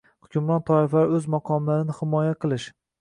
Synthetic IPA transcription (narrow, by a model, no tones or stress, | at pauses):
hʊ̥kʲʰʊmɾɒnt̪ʰɒɪflaɾɪɵzmɒqʰɒmlaɾɪnɪhɪmɒjaqʰɨlˠɪʃ